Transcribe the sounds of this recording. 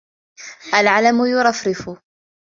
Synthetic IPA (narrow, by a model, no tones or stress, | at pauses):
ʔalʕalamʊjʊɾˤɑfɾɪfʊ